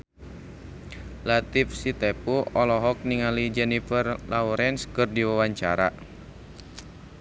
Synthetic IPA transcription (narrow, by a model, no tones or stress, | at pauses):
lat̪ifsit̪ɛpuɔlɔɦɔk̚niŋalid͡ʒɛnifərlauɾɛnskɨrdiwawaɲt͡ʃaɾa̰